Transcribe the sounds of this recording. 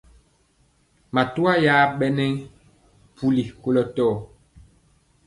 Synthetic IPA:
ma˨tu˦a˦jaː˦ɓɛ˦nɛ˦ŋ | pu˦li˨ko˦lɔ˦tɔː˦˨

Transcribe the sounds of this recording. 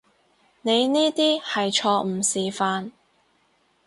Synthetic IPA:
ne˨˧jniː˥t̪iː˥hɐ˨jt͡ʃʰɔː˧m̩˨˩siː˨faː˧n

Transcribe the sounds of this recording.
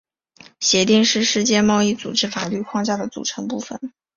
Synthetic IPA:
ɕjɛ˧˥t̪i˥˧ŋʂɻ̩˥˧ʂɻ̩˥˧t͡ɕjɛ˥˧mɑ˥˧ʊi˥˩t͡su˨˩ʈ͡ʂɻ̩˥fa˨˩ly˥˧kʰwɑ˥˧ŋt͡ɕja˥˩d̪ə˩t͡sṵ˨˩ʈ͡ʂʰɤ˧˥ŋpu˥˩fə̰˩n

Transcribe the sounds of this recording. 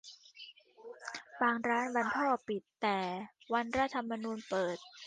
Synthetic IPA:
baː˧ŋɾaː˦˥nba˧nt̪ʰɔː˥˩pi˨˩t̪ːɛː˨˩wa˧nɾa˦˥˩t̪ʰa˧mːa˧nuː˧npɤː˨˩t̪̚

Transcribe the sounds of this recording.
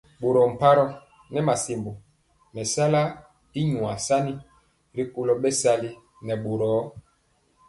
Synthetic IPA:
bo˨ɾɔ˨m̩˨pa˦ɾɔ˦ | nɛ˦ma˨si˨mbo˨ | mɛ˨sa˦la˦ | i˦ɲwa˨sa˦ni˦ | ɾi˦ko˨lɔ˦ɓɛ˦sa˦li˦ | nɛ˨ɓo˨ɾɔ˨˦

